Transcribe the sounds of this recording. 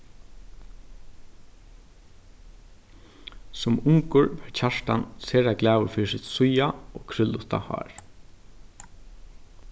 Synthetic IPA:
sʊmʊŋkʊɹʋɛɹcʰaʂtanseːɹaɡlæːʋʊɾfiːsɪt̪sʊjaoːkʰɾʏlʊt̪a̰hɑ̰ːɹ

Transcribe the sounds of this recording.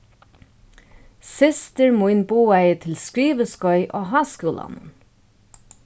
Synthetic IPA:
sɪst̪əɹmuɪnbuːæɪət̪ʰɪlskɹiːʋəskɔʏʔoːɦɑːskʉːlɑ̰nʊ̰n

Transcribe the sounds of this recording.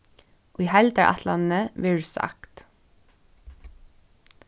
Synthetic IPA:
ʔiːhɛld̪æːɹʔɑ̰t̪ʰlɑnəʋɪɹsɑ̰kt̪

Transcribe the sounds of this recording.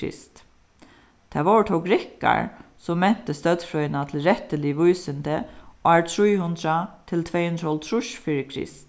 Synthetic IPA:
ɪ̰st̪ | t̪ʰɛʋɔɹʈ̪ʰɔkɾɪka̰ɹsɔmmːɛn̥t̪əst̪œd̪fɾɔʏnat̪ʰɪlɾɛt̪əlɪʋujsɪnt̪əæːɹt̪ʰɾujhʉnd̪ɾat̪ʰɪlt̪ʰveːhʉnd̪ɾɔlt̪ʰɾʊʃfiɾkʰɾɪ̰st̪

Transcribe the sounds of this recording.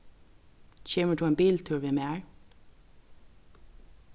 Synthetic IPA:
c͡çeːməɖʉːeːmbiːlt̪ʰʉːɹʋɪmeæːɹ

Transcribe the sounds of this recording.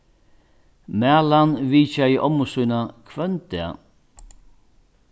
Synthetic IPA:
mæːlanviːt͡ʃaiʔɔmʊsujnakʰvœnt̪ɛ̰

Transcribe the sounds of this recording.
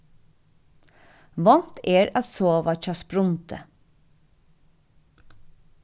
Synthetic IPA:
ʋɑnt̪eːɾɑt̪soːʋɑc͡çɑspɾʊnt̪ʰə̰

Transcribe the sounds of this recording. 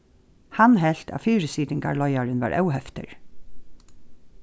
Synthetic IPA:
hanɦɛɬt̪a̰fiːɹɪsiːt̪ɪŋka̰ɹlɔjaɹɪnva̰ːɹʔɛ̰wɦɛft̪ɪ̰ɹ

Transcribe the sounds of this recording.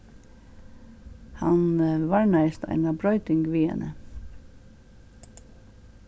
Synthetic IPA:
hanʋaɹnaɪst̪a̰ɪnabɾœʏt̪ɪŋɡʋiːɛ̰nə

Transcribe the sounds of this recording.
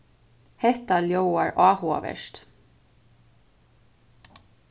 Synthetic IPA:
hɛht̪aljowaɹʔaːhṵʋɛ̰ʃt̪

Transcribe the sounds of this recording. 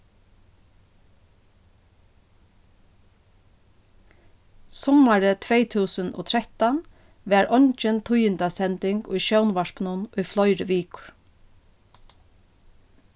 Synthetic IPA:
sɔmaɹət̪ʰʋeːt̪ʰuːsəno̰ːt̪ʰɾɛt̪an | ʋæːɹɔɲt͡ʃənt̪ʰʊjɪnt̪asɛnt̪ɪŋkʊ̰jʃœwnʋaʂpnʊnʊjflɔʏɾəʋiːkʊ̥ɹ

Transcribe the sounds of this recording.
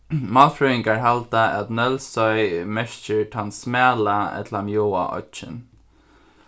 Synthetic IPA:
maːlfɹuɪŋkaɹɦalt̪aʔæt̪nœlsɔʏmɛʃt͡ʃɪɹt̪ʰansmæːlaɛ̰t̪lamjoːa̰ʔɔ̰t͡ʃɪ̰n

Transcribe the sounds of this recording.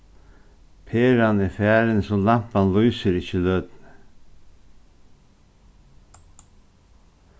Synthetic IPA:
pʰeːɾanɪfæːɾənsɔlampanlyːsəɾɪçəlœd̪n

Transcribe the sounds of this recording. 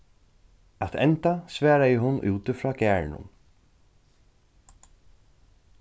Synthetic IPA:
at̪ɛ̰nt̪asʋæːɾajɪɦʊnːʔṵːt̪ɪfɾɔːɡæːɹnʊ̰n

